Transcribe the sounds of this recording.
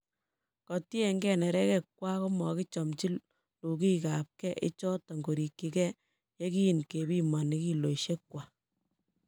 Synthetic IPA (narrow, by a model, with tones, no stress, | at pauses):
kɔ˨ti˦e˨ŋɡɛ˦nɛ˨ɾɛ˦kɛ˦kwa˦ko˦mɔ˨kɪ˦t͡ʃɔ˨mt͡ʃi˦l | lu˨ki˦ka˨p̚kɛ˦ʔɪ˦t͡ʃɔ˦tɔ˨ŋɡo˨ɾi˨kːi˨kɛ˦ | je˦ki˦i˨nke˨bi˦ma˨nɪ˦ki˦lo˨ʃe˦kwa˨